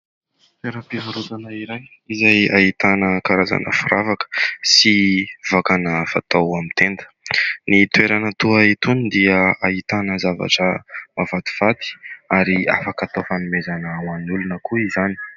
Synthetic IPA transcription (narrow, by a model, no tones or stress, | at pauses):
feɾəpiɦaɾuzanəiɾaj | izajait̪anəkaɾaza̰nʔə̰fuɾavakə̥sivakanəfat̪awamit̪end̪ə̥nit̪weɾanət̪uait̪und̪iəait̪anəzava̰ʈ͡ʂəmavat̪u̥v̥at̪i̥aɾia̰fakat̪ofamimezanəwanulunəkuizani̥